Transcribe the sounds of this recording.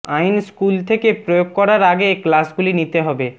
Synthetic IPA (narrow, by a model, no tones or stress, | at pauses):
ajnskult̪ʰekepɾojoɡ̚kɔɾaɾaɡeːklasɡulinit̪eɦɔbe